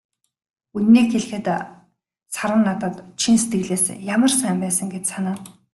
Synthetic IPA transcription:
unːiːkxeɮ̆xɘ̆t̪ | saɾə̆nːat̪ə̆t̪t͡ɕʰinset̪ɡɘ̆ɮeːsjamə̆rsæːmpæːsə̆ŋɡet͡ɕsanaː

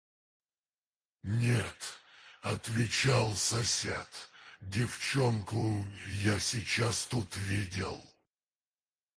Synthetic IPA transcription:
nʲet̪ɐt̪vʲɪt͡ɕalˠsɐsʲḛt̪dʲɪft͡ɕonkʊjasʲit͡ɕast̪ut̪vʲidʲɪ̰lˠ

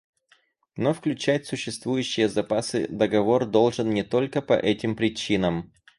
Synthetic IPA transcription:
no̞fklʲʉt͡ɕætʲsʊɕːɪst̪vujʉɕːɪjəzɐpasɨ̰d̪əɡɐvo̞rd̪o̞lˠʐɨnnʲɪt̪o̞lʲkəpɐ̰ʔɛtʲɪmpɾʲɪt͡ɕinəm

